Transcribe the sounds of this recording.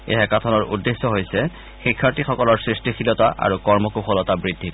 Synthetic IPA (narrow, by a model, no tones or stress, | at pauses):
ḛɦɛkatʰɔnɔɹʔṵdːesːɔɦojsɛ | xikʰːaɹtixɔkɔlɔɹsɹistixilɔtaʔa̰ɹukɔɹmɔkuxɔlɔtabɹidʱːi